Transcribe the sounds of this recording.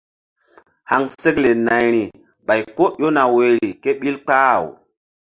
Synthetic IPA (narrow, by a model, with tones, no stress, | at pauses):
ha˨ŋse˦kle˨na˨jɾi˨ | ɓa˨jko˦jo˦na˨we˨ɾi˨ke˦ɓi˦lk͡paː˦˨w